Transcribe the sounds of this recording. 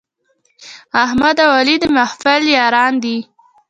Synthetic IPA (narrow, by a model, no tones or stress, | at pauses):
ahmad̪awalid̪əmahfɪljɑɾɑnd̪i